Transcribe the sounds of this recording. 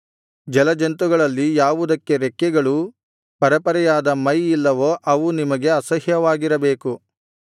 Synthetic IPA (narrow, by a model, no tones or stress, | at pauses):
d͡ʒɛlɐd͡ʒɐnt̪uɡɐɭɐlːijaːʋud̪ɐkːe̞ɾɛkːɛɡɐɭu | pɐɾɐpɐɾɐjaːd̪ɐmɐjilːɐʋoʔɐʋunimɐɡe̞ɐsɐɦjɐʋaːɡiɾɐbeːku